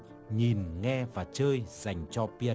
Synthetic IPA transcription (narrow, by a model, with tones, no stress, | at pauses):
ɲi˨˩nŋɛ˧vaː˨˩t͡ɕəː˧jz̥a˨˩jŋ̟t͡ɕɔ˧pi˧